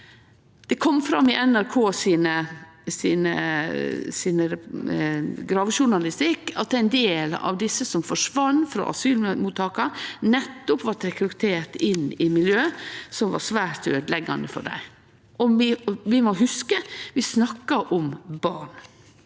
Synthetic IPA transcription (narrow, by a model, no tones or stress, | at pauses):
d̪̥ɛkʰɔmːfɾɑmːɪʔɛnæɾkʰoːsiːnə | siːnə | siːnəɾɛ | ɡɾɑːʋʃʊɳɑlɪst̪ɪkːɑt̪æɪnd̪eːlɑ̰ʋd̪ɪsːəsɔmfɔʂʋɑnːfɾɑ̰ʔɑ̰syːlmuːt̪ʰɑːkɑɾnɛt̪ːɔpʋɑʈɾɛkɾʉt̪ʰeːʈ̪ɪnɪmɪljøːsɔmʋɑ̰ɾsʋæːɾt̪øːd̪lɛɡːɑ̰nd̪əfɔ̰ɖæ̰ɪ | ʔɔmɪʋɪmoɦʉskəʋɪsnɑkːɑʔɔmbɑːɳ